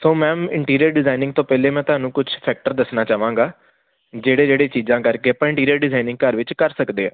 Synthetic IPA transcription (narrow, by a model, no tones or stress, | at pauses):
sõːmɛ̃ːɪɳʈiːɾijəɾɖɪzaːinɪ̃ŋɡt̪õːpɛːleːmɛ̃ːt̪ʊɦaːnũːkʊt͡ʃʰpʰɛːk̚ʈəɾd̪əsnaːt͡ʃaːʋãːŋɡaː | d͡ʒeːɽeːd͡ʒeːɽeːt͡ʃiːzãːkəɾkeːəpãːɪ̃ɳʈiːɾijəɾɖɪzaːinɪ̃ŋɡkəɾʋɪt͡ʃkəɾsəkd̪eːã̰ː